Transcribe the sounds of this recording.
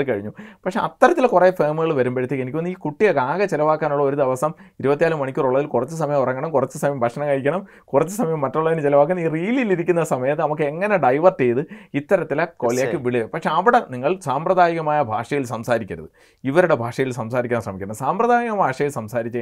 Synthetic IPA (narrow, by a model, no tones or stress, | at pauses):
ɨkɐɻiɲːupɐkʂe̞ʔɐt̪ːɐɾɐt̪ːilkure̞ːfeːmɨɣɐɭʋɐɾumbeɽit̪ːikːenikʲːionːiːkuʈːijɐɡaːɡɐt͡ɕelɐʋaːkːaːnuɭːɐo̞ɾuðɐʋɐsɐmiɾubɐt̪̬ːijaːlumːɐɳikʲːuːruɭːɐðilkurɐt͡ɕːɨs̬ɐmɐjɐmurɐŋːɐɳɐmkurɐt͡ɕːɨsɐmɐjɐmbʱɐkʂɐnɐŋkɐɻikʲːɐɳɐm | kurɐt͡ɕːɨsɐmɐjɐmːɐtːuɭːɐðinɨt͡ɕelɐʋaːkːɐniːriːliliɾikʲːunːɐsɐmɐjɐt̪ːɨnɐmukːɨeŋːɐne̞ɖɐjʋɐrtːejðɨit̪ːɐɾɐt̪ːilɐkoːlijaːkːɨʋiɭiɐpɐkʂe̞ɐʋiɽeniŋːɐɭsaːmprɐðaːjɐɣɐmaːjɐbʱaːʂɐjilsɐmsaːɾikʲːɐɾɐ̰ðɨ | iʋɐɾuɽe̞bʱaːʂɐjilsɐmsaːɾikʲːaːnsrɐmikʲːɐɳɐmsaːmprɐðaːjɐɣɐmbʱaːʂɐjilsɐmsaːɾit͡ɕːɐ